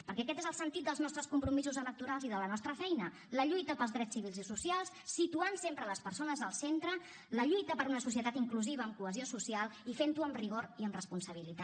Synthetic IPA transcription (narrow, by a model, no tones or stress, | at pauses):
pəɾkɛəkɛt̪ezəlˠsənt̪it̪̚d̪əlˠznɔst̪ɾəskumpɾumizuzələk̚t̪uɾalˠziðələnɔst̪ɾəfɛjnə | ləʎujt̪əpəlˠzðɾɛt͡ssːiβ̞ilˠzisusialˠsːit̪uansempɾələspəɾsonəzðəlˠsent̪ɾə | ləʎujt̪əpəɾunəsus̬jət̪at̪iŋkluziβ̞əːmkuəziosusialˠifent̪uəmriɣ̞oɾiəmrəspunsəβ̞ilit̪a